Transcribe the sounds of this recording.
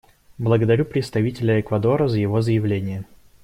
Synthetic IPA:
blˠəɡəd̪ɐɾʲupɾʲɪt̪st̪ɐvʲitʲɪlʲəɛkvɐd̪o̞ɾəzəjɪvo̞zəjɪvlʲenʲɪjə

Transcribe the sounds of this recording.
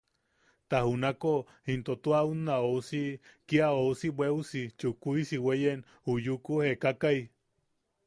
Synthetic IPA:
t̪ahunako | hint̪ot̪uaunːaosikiaousibweusit͡ʃukuisiwejen | ujukuhekakaj

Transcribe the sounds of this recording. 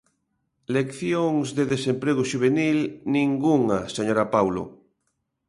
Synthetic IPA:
lekθjoŋzðeðesempɾeɣ̞oʃuβ̞enilnĩŋɡuŋaseɲoɾapawlo̰

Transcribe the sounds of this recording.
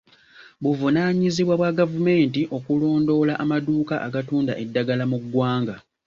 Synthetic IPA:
βuvunaɲiziβwaβwaɡavume̞ːntiʔo̞kulo̞ːndo̞laʔamaduːkaʔaɡatuːnda̰ʔe̞dːaɡalamuɡwaːŋɡa

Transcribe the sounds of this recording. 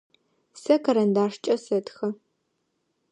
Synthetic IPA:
sɐkʰɐɾɐndaːʂt͡ʃʼɐsɐtxɐ

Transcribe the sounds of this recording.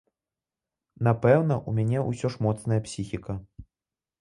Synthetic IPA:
napɛwnɐʔumʲanʲɛʔusʲɔʂmɔt̪snɐjɐpsʲixʲikɐ

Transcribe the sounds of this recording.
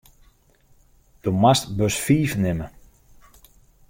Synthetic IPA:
d̥omastbøsfiːfnɪmə

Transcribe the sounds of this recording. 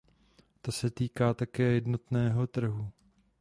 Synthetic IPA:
t̪asɛt̪iːkaːt̪akɛːjɛdno̞t̪nɛːɦo̞t̪r̩ɦu

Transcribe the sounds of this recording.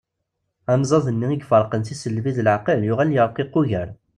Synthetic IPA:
æmzˤɑðˤənːiiɡfəɾˤqənθisəlviðəlʕqəljʊʁæljəɾˤqiqːʊʝəɾ

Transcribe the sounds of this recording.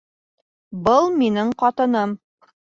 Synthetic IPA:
bɤlˠminɘɴqɑt̪ɤ̆nɤm

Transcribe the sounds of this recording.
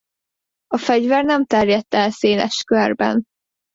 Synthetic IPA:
ɒfɛɟvɛrnɛmt̪ɛrjɛt̪ːɛlseːlɛ̰ʃkørbɛ̰n

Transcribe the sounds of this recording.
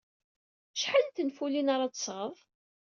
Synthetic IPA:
ʃħalt̪ːənfulinaɾˤɑt͡sə̥sʁəðˤ

